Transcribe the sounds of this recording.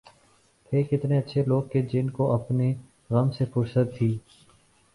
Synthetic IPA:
pʰeːkɪt̪neɐtːʃʰeloːɡ̚ked͡ʒɪnkoʔɐpne | ɣɐmsepʊɾsət̪ʰːiː

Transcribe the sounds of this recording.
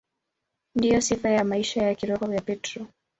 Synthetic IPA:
ndijɔsifajamaiʃajakiɾɔhɔvjapɛtɾɔ

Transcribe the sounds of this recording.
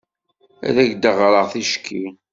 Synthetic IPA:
æ̰ɾæʝd̪əʁɾˤəʁθiʃə̥kʰːi

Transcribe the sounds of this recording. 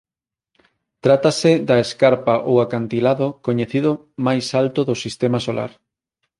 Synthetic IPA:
t̪ɾat̪asɪd̪ɐeskaɾpaʔowakant̪ilaðokoɲeθiðʊ | majsalt̪oðʊsist̪emasola̰ɾ

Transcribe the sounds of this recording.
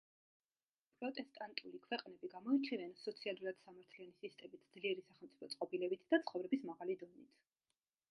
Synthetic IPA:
pʼɾɔt̪ʼɛst̪ʼant̪ʼulikʰwɛqʼnɛbiɡamɔit͡ʃʰivɛnsɔt̪sʰialˠuɾad̪̥samaɾt̪ʰlianisist̪ʼɛmit̪ʰd̪zliɛɾisaχɛlˠmt̪sʼi̥pʰɔt̪sʼqʼɔbilɛbit̪ʰd̪at̪sʰχɔvɾɛbismaʁalid̪ɔnit̪ʰ

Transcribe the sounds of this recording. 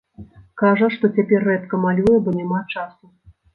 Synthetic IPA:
kaʐɐʂt̪ɔt͡sʲapʲɛrːɛt̪kɐmalʲujɛbɔnʲamat͡ʂasu

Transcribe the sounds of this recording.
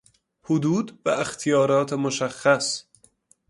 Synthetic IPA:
hod̪uːd̪bæext̪ʰijɒːɾɒːt̪ʰemoʃæxːæs

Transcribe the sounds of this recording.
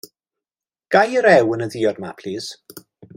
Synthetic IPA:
ɡ̥ajəɾɛwənəðiːɔdmapʰl̥iːs

